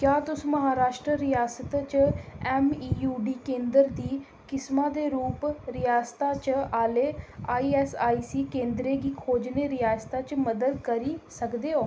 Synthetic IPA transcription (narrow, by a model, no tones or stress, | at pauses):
kjaːt̪ʊsũːməɦaːɾaːʃʈɾəɾɪjaːsət̪t͡ʃɛːmiːjuːɖiːkẽːnd̪əɾd̪iː | kɪsmãːd̪eːɾuːpɾɪjaːst̪aːt͡ʃaːleːaːiːɛːsaːiːsiːkẽːnd̪ɾeːɡiːkʰoːd͡ʒneːɾɪjaːst̪aːt͡ʃməd̪əd̪kəɾiːsəkd̪eːɦoː